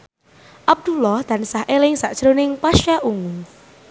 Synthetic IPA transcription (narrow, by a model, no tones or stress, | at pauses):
ʔab̚d̪̥ulɔhd̪̥a̤nsahʔelɪŋsaʔd̥ʒ̥ɾonɪŋpaʃaʔuŋu